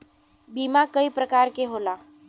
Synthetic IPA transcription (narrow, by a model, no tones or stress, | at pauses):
bimakəipɾəkaɾkeɦola